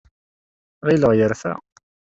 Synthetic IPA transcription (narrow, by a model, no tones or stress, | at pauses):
ʁiləʁjəɾfæ̰